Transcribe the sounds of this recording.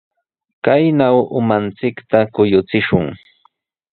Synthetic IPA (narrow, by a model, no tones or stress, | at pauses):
kajnawʊmant͡sɪkt̪akʊjʊt͡sɪʃʊŋ